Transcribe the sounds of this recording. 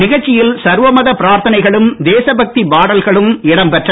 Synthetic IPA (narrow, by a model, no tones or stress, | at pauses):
nɪɣɐɻt͡ʃːɪjɪlsɐɾʋɐmɐðɐpɪɾaːɾt̪ʰɐnɐɪɣɐɭɯmd̪eːsɐbɐk̚t̪ibaːɽɐlɣɐɭɯmɪɽɐmpɛʈrɐ